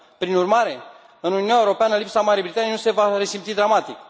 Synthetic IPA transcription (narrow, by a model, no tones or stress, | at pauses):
pɾinurmaɾe̞ | ɨnununaeuɾo̞peanəlipsamaɾiejbɾit̪anjnuse̞vaɾe̞simpt̪id̪ɾamat̪ik